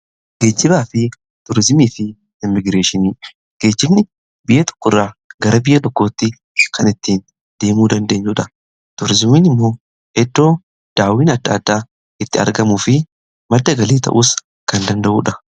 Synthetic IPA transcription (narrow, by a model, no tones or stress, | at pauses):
ɡ̥e̞ːd͡ʒːɪbaːfɪ | t̪ʊɾɪzɪmiːfɪ | ɪmːɪɡɾe̞ːʃɪniː | ɡ̥e̞ːd͡ʒːɪbnɪ | bɪjʔɛt̪ɔ̥kːʊrːaːɡɐɾɐbɪjʔɐt̪ɔkːo̞ːt̪ːɪ | kʰɐnɪt̪ːiːn | d̪̥e̞ːmuːd̪ɐnd̪e̞ːɲːʊᶑɐ | t̪ʊɾɪzɪmiːnɪmːo̞ː | hɛd̪ːo̞ː | d̪̥aːwiːnɐd̪ːaːd̪ːaː | ɪt̪ːɪɐ̰ɾɡɐmuːfɪ | mɐd̪ːɐɡɐliːt̪ɐ̰ʔuːs | kɐnd̪ɐnd̪ɐʔuːᶑɐ